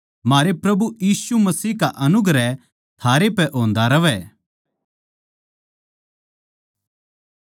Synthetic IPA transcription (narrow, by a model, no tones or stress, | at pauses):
maːɾepɾɐbujiːsumɐsiːkaʔɐnʊɡɾɛ | t̪ʰaːɾepɛʔõːnd̪aɾɐʋɛː